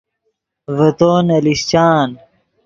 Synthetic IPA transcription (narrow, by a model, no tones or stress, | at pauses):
vɐt̪oːnɐlist͡ɕaːn